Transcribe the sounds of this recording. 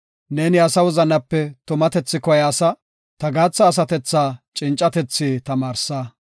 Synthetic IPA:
neːnɪɐsɐwʊzɐnɐpːɛt̪ʊmɐt̪ɛt͡sːɪkɔjaːsɐ | t̪ɐɡaːt͡sːɐːs̬ɐt̪ɛt͡sːaːt͡ʃʼɪnt͡ʃʼːɐt̪ɛt͡sːiːt̪ɐmaːɾsaː

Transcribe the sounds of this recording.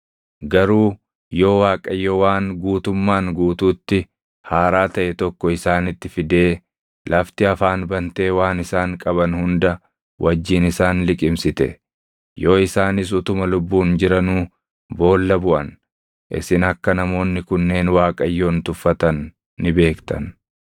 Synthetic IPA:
ɡɐɾuː | jo̞ːwaːkʼɐjːowaːŋɡuːt̪ʊmːaːŋɡuːt̪uːt̪ːɪ | haːɾaːt̪ɐʔɛt̪ɔkːɔɪsaːnɪt̪ːɪfɪd̪e̞ː | lʔɐft̪ɪɐfaːnbɐnt̪e̞ːwaːnɪsaːŋkʼɐbɐnhʊnd̪ɐ | wʔɐd͡ʒːiːnɪsaːnlɪkʼɪmsɪt̪ɛ̰ | jo̞ːɪsaːnɪs̬ʊt̪ʊmɐlʊbːuːnd͡ʒɪɾɐnuː | bo̞ːlːɐbʊʔɐ̰n | ʔɪ̰sɪnɐkːɐnɐmo̞ːnːɪkʊnːe̞ːnwaːkʼɐjːoːnt̪ʊfːɐt̪ɐnː | ɪbe̞ːkt̪ɐn

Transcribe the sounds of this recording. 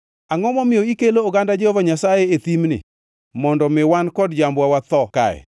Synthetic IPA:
aŋɔmɔmɪjɔikeloːɡandad͡ʒehovaɲasajeet̪imnɪ̰ | mɔndɔmɪwankɔdd͡ʒambwawat̪ɔka̰jɛ̰

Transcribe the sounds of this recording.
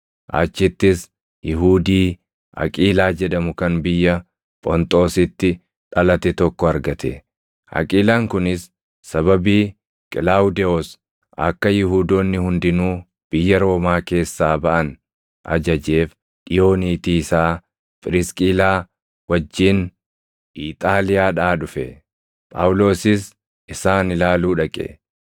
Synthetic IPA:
ʔa̰ːt͡ʃːɪt̪ːɪs | jɪɦuːd̪iː | ɐ̰kʼiːlaːd͡ʒɛᶑɐmʊkɐnbɪjːɐ | pʼɔnt̪ʼo̞ːsɪt̪ːɪ | ᶑɐlɐt̪ɛt̪ɔkːɔɐɾɡɐt̪ʰɛ | ʔɐ̰kʼiːlaːŋkʊnɪsː | ɐbɐbiː | kʼɪlaːʊd̪ɛos | ʔɐ̰kːɐjɪɦuːd̪oːnːɪhʊnd̪ɪnuː | b̥ɪjːɐɾo̞ːmaːke̞ːsːaːbɐʔɐn | ʔɐ̰d͡ʒɐd͡ʒe̞ːf | ᶑɪjo̞ːniːt̪iːɪsaː | pʼɪɾɪskʼiːlaː | wɐd͡ʒːiːn | ʔiːt̪ʼaːlɪjaːᶑaːᶑʊfɛ | pʼɐ̰wʊlo̞ːsɪs | ɪsaːnɪlaːluːᶑɐkʼɛ̰

